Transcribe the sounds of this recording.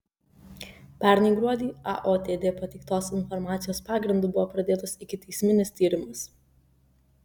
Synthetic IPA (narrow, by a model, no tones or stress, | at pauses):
pʲæˑɾʲnʲɛɪɡɾuɔd̪ʲiːɑ̰ʔoːt̪ʲeːd̪ʲeːpɐt̪ʲɛɪkt̪oːsɪnfɔɾmɑːt̪sʲɪjoːspɑːɡɾʲɪnd̪uːbʊʋoːpɾɐd̪ʲeːt̪oːsɪkʲɪt̪ʲɛɪsʲmʲɪnʲɪst̪ʲiːɾʲɪmʊs